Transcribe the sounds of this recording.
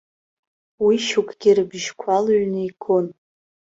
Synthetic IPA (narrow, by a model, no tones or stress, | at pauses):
wiʃukʼʰɡʲɪrɨbʒkʷʰalɥnɨikʰʼon